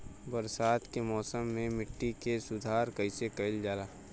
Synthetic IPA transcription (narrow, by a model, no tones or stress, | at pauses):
bəɾsaːt̪kemɔːsəmːẽmɪʈːikesʊd̪ʱaːɾkəɪsekɐɪld͡ʒaːlaː